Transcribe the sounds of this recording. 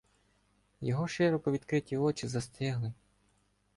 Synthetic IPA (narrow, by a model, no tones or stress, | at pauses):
jɔɦɔʃɪɾɔkɔʋʲid̪kɾɪtʲiɔt͡ʃɪzɐst̪ɪɦlˠɪ